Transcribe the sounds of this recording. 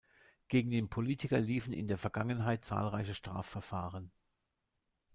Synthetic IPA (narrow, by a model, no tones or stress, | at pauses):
ɡ̥eːɡŋ̩deːnpʰoliːtʰɪkɐliːfn̩ɪ̰ndeːɐfɛɐɡaŋənɦaɪt̚t͡sa̰ːlʁaɪçəʃtʁ̥a̰ːfːɛɐfaːʁən